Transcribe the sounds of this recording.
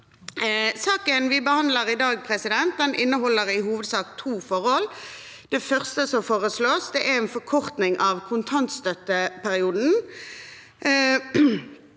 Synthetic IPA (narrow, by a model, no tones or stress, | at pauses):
sɑːkənʋɪbəhɑnd̪ləʁɪd̪ɑːɡ̚pʰʁɛsɪd̪ɛnt̪̚d̪ɛnɪnːəɦɔlːəʁɪɦuːʋəd̪sɑːkt̪ʰuːfɔʁɔl | d̪̥ɛfœʁst̪əsɔfoːʁəsloːsd̪ɛʔɛʁɛnfɔkʰɔʁt̪nɪŋʔɑʋkʰʊnt̪ʰɑnt̪st̪œt̪ːəpʰæʁɪuːd̪n̩